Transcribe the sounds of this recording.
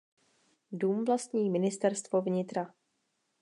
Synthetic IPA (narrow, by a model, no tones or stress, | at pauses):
duːmvlast̪ɲiːmɪnɪst̪ɛɾst̪vo̞vɲɪt̪ɾa